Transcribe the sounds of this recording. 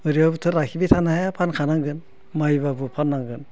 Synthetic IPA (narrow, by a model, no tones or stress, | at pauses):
ɯɾiabutʰɯɾakʰibitʰanaɦajapʰankʰanaŋɡɯn | majbabɯpʰanːaŋɡɯn